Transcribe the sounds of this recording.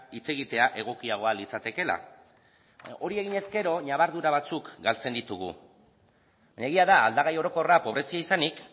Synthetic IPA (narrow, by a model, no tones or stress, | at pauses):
it͡se̞ɣit̪e̞aʔe̞ɣ̞o̞kiaɣ̞o̞alit͡sat̪e̞ke̞la̰ | o̞ɾie̞ɣiɲe̞ske̞ɾo̞ɲaβaɾðuɾaβat͡sukɡalt͡se̞nd̪it̪uɣ̞ṵ | baɲaeɣ̞iaða̰ːld̪aɣajo̞ɾo̞ko̞rapo̞β̞ɾe̞siaisanik